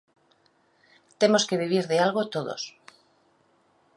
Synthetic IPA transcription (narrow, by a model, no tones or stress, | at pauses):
t̪e̞mo̞ske̞β̞iβ̞iɾðealɣot̪oðo̰s